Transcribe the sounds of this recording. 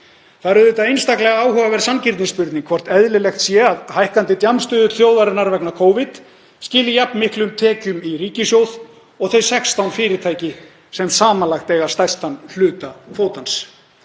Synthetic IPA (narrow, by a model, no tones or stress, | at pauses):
θaðɾʏðʏt̪aðejnst̪aklɛɣaaːwɦœvavɛɾ̥sancɪɾt̪nispʏɾt̪niŋkʰvɔr̥t̪ɛðlɪlɛxt̪sjɛaðhajhkant̪ɪt̪jamst̪ʏːðʏθjoːwðaɾɪnːaɾvɛknakʰoːwvɪt̪ | scɪːlɪjapnmɪhklʏmt̪ʰɛːcʏmiɾiːcɪsjoːwð | ɔɣθœɥjsɛkst̪awnfɪːɾɪɾt̪ʰajcɪ | sɛmsaːmanlaxt̪ejɣḁst̪ajst̪anl̥ʏːt̪afoːwt̪ans